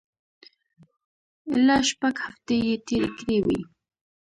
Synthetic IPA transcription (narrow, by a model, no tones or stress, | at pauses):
ɪlaʃpaɡhaft̪ejet̪eɾḛkɾewḭj